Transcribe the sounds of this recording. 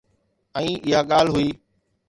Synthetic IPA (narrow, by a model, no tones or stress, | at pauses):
ɛ̃ĩːʔɪɦaːɠaːl̤ɦʊiː